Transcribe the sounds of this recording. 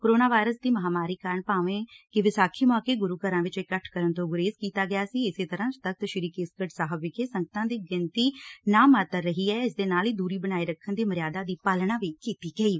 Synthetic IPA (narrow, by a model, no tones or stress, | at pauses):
koːɾoːnaːʋaːɪɾəsd̪iːməɦaːmaːɾiːkaːɾəɳpaːʋẽːkɪʋɪsaːkʰiːmɔːkeːɡʊɾuːkəɾãːʋɪt͡ʃɪkːəʈʰkəɾənt̪õːɡʊɾeːzkiːt̪aːɡɪjaːsiːɪseːt̪əɾãːst̪ək̚t̪ʃɪɾiːkeːskəʈsaːɦəbɪkeːsə̃ŋɡət̪ãːd̪iːɡɪnt̪iːnaːmaːt̪əɾːəɦiːɛːɪs̬d̪eːnaːliːd̪uːɾiːbənaːiːɾəkʰːənd̪iːməɾɪjaːd̪aːd̪iːpaːlɽãːʋiːkiːt̪iːɡəiː